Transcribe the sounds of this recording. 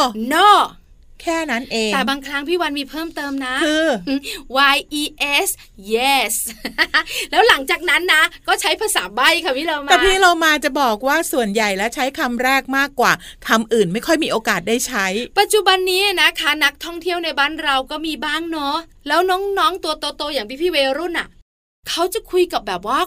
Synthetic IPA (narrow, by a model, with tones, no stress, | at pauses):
nɔː˥˩ | kʰɛː˥˩na˦˥nʔeː˧ŋɛː˨˩baː˧ŋkʰɾa˦˥ŋpʰiː˥˩wa˧nmiː˧pʰɤː˥˩mt̪ɤː˧mna˦˥kʰɯː˧wa˧jʔiː˧ʔe˦˥s | je˦˥˩s | lɛː˦˥wla˩˦ŋt͡ɕaː˨˩k̚na˦˥nːa˦˥kɔː˥˩t͡ɕʰa˦˥jpʰa˧saː˩˦ba˥˩jkʰa˧˩pʰiː˥˩loː˧maɛː˨˧˩pʰiː˥˩loː˧maː˧t͡ɕa˨˩bɔː˨˩k̚waː˥˩su˨˩ənja˨˩jlɛ˦˥wt͡ɕʰa˦˥jkʰa˧mɾɛː˥˩k̚maː˥˩kːwaː˨˩kʰa˧mʔɯː˨˩nma˥˩jkʰɔ˥˩jmiː˧˥ʔoː˧kaː˨˩t̪̚daː˥˩jt͡ɕʰa˦˥jpa˨˩t̪̚t͡ɕu˨˩ba˧nːiː˦˥˨na˦˥kʰa˦˥na˦˥k̚t̪ʰɔ˥˩ŋt̪ʰi˥˩əwna˧jbaː˥˩nɾa˧wkɔː˥˩miː˧baː˥˩ŋnɔ˦˥ | lɛː˦˥wnɔː˦˥ŋnɔː˦˥ŋt̪u˧ət̪o˧t̪oː˧jaː˨˩ŋp̪ʰiː˦˥˩pʰiː˥˩weː˧ɾu˥˩˨nʔa˨˩ | kʰa˦˥wt͡ɕa˨˩kʰu˧jka˨˩p̚bɛː˨˩p̚waː˥˩